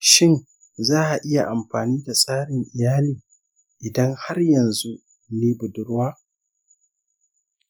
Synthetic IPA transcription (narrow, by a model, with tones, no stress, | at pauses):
ʃɪ˦n | zaː˦ʔa˨ʔɪ˦ja˨ʔa˨mɸaː˨niː˦da˨sʼaː˦ɽɪ˨ŋʔɪ˨jaː˦liː˨ | ʔɪ˨dɐ˦ŋha˦rjɐ˨nzu˦ | neː˦bʊ˨dʊ˦ɾwaː˦